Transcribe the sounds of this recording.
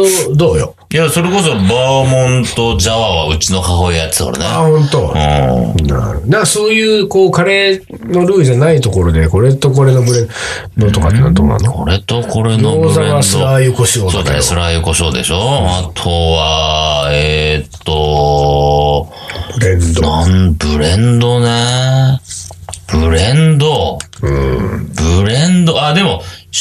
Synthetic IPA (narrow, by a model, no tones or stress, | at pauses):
od̪o̞ːjo̰ | jaso̞ɾe̞ko̞sobamõnt̪o̞d͡ʑaβaβaɯ̟t͡ɕino̞kaɦoijat͡sɨ̥ko̰ɾḛneahõ̞nt̪o̞ɯ̃na̰nãkaso̞ːjɯ̟ːko̞ːkaɾe̞ | no̞ɾɯ̟ːiʑanait̪o̞ko̞ɾo̞d̪e̞ko̞ɾe̞t̪o̞ko̞ɾe̞nobɯ̟ɾẽ | d̪ot̪oka̰t̪ːena̰d̪o̰na̰nokoɾet̪oko̞ɾenoozaɡasɨɾajɯkoɕoːdsosɨɾajɯkoɕoːd̪e̞̰ɕoat̪ʰoβa | et̪ːo | bɯ̟ɾẽ̞nd̪oanbɯ̟ɾẽnd̪o̞ne | b̥ɯ̟ɾẽnd̪oɯ̟̰̃bɯ̟ɾẽnd̪oad̪e̞mo̞